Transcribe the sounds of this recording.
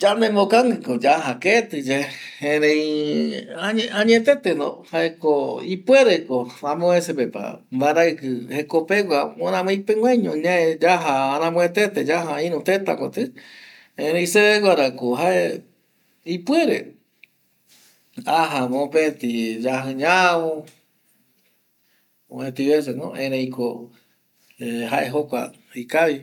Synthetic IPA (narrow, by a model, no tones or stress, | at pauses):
d͡ʒanemokaŋɨ̃kod͡ʒaɦaket̪ɨd͡ʒeeɾẽ | aɲeʔãɲẽt̪et̪enõ̰haekoipweɾekoamõesepepa̰mbaɾakɨhekopeɡʷaõnãmõipeŋʷẽɲõɲãed͡ʒaɦaaɾãmõet̪et̪ed͡ʒaɦaĩɾũt̪et̪a̰kot̪ɨ | ẽɾẽĩseeɡʷaɾakoɦae | ipweɾe | aɦamõpet̪id͡ʒaɦɨ̃ɲawõ | õẽt̪iβes̬enõ̰ʔẽɾẽjko | ehaʔeɦokʷa̰ | ikaβi